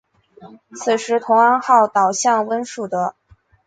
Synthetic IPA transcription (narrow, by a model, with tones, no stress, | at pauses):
t͡sʰɹ̩˨˩ʂɻ̩˧˥t̪ʰʊ˧˥ŋa˥nxɑ˥˩ʊt̪ɑ˨˩ʊɕjɑ˥˩ŋwə˥nʂu˥˩d̪ə˦